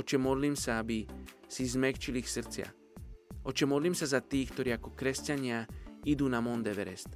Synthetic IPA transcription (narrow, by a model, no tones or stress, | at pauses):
ɔt͡ʃɛmɔd̪limsaabisizmɛkt͡ʃilixsr̩t͡sɪa̰ | ʔɔt͡ʃɛmɔd̪limsazat̪iːxk̚t̪oɾiːakɔkɾɛscaɲɪaid̪uːnamɔnd̪ɛʋɛɾɛst̪